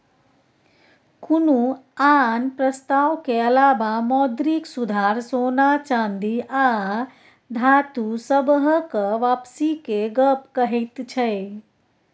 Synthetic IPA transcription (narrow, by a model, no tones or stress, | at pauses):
kunuaːnpɾəst̪aːʋkeɐlaːʋamɔːd̪ɾiksud̪ʱaːɾsoːnat͡ʃãːnd̪iaː | d̪ʱaːt̪usəbɦəkəʋaːpsikeɡəpkəɦit̪t͡ʃʰɛe